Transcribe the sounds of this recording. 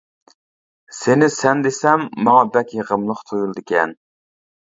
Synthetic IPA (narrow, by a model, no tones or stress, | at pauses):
senɪsɛnd̪esɛmːɑŋɑbɛkʲjeʁəmlˠəqt̪ʰojulˠd̪ɨkʲʰɛn